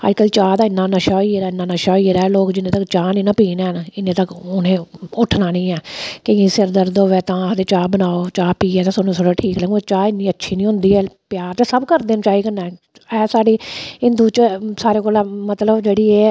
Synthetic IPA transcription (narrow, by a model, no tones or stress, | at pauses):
a̰d͡ʒkəːlːt͡ʃaːd̪aːɪnːãːnəʃaːiːeɾaːɪnːãːnəʃaːiːɾɛːloːkd͡ʒɪnːẽːt̪əkt͡ʃaːnĩːnãːpiːnɛːɦənɪnːẽːt̪əkʊnẽːʊʈʰnaːnĩːɛːkeẽsɪɾd̪əɾd̪oʋeːt̪ãːd̪eːt͡ʃaːbənaːoːt͡ʃaːpiːɛːt̪ãːsʊnõːsəɽoːʈʰiːklɛːŋɡut͡ʃaːɪnːĩːətːʃʰiːnĩːɦʊ̃nd̪iːɛːpɪjaːɾt͡ʃsəbkəɾd̪eːnt͡ʃaːiːkənːaː | ɛːsaːɽiːɪnd̪uːt͡ʃsaːɾeːkoːlãːmət̪ləbd͡ʒeːɽiːeː